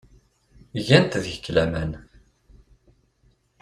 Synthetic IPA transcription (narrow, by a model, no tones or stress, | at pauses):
ʝænt̪ðʝəkːlæmæn